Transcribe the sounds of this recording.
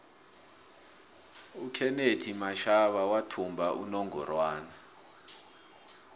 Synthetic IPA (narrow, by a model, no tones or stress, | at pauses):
ukʰɛnetʰimaʃaɓawatʰumbʱaʔṵnɔŋɔ̰rwaːna